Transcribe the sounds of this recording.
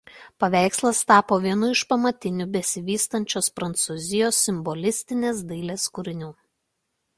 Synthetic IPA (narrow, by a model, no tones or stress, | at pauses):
pɐʋʲæˑɪkslˠɐst̪ɑːpoːʋʲiɛnʊɪʃpɐmɐt̪ʲɪnʲʊbʲɛsʲɪʋʲiːst̪ɐnʲt͡ʃʲoːspɾɐnt̪suzʲɪjoːsʲːɪmbɔlʲɪsʲt̪ʲɪnʲeːsd̪ɐɪlʲeːskʊɾʲɪnʲuː